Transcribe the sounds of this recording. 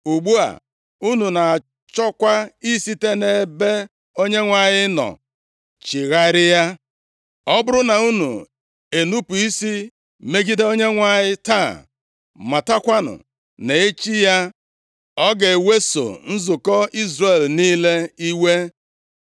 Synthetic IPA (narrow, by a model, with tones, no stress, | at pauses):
u˨ɡ͡bu˦a̰˨ | u˦nu˨na˨ | t͡ʃɔ˦kʷa˦i˦si˦te˦ne˦be˦ | o˦ɲe˦ŋʷa˨ɲɪ˦nɔ̰˨ | t͡ʃi˨ɣa˦ɾɪ˦ja˦ | ɔ˦bʊ˦ɾʊ˦na˨u˦nṵ˨ | e˨nu˦pu˨i˦si˦ | me˦ɡi˦de˦o˦ɲe˦ŋʷa˨ɲɪ˦ta˦˨ | ma˨ta˦kʷa˦nʊ̰˨ | ne˨e˦t͡ʃi˦ja˦ | ɔ˦ɡe˨e˨we˦so̰˨n̩˦zʊ˨kɔ˦i˦zre˦˨lniː˦le˦i˦we˦